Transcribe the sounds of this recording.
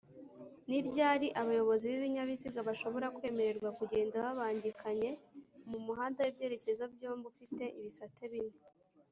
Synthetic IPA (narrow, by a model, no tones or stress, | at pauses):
niɾɟaːɾiʔaβajo̞βo̞ziβiβiɲaβiziɡaβaʃo̞βo̞ɾakwe̞ːme̞ɾe̞ɾɡwakuɟe̞ːndaβaβaːɲɟikʰaɲe̞mumuɦaːndawebje̞ːɾe̞ce̞zo̞b̚joːmbufite̞ʔiβisatʰeβine